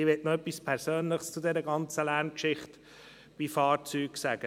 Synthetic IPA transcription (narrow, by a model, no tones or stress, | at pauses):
ɪʋɛtnoœpːispʰɛɾsøːnlɪχst͡sʊdɛɾəɡɑnt͡səlæɾnkʃɪχt | b̥ifɑːɾt͡syːɡ̥sæɡ̥ə